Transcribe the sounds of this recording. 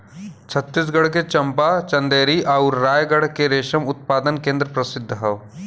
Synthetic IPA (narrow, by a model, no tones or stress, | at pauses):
t͡ʃʰɐt̪ːɪs̬ɡɐɽket͡ʃɐmpat͡ʃɐ̃nd̪eːɾiʔaʊɾːaːjɡəɽ̤keɾeːʃəmʊt̪̚paːd̪ənkẽːnd̪ɾəpɾɐsɪd̪ʱːɦɐʋ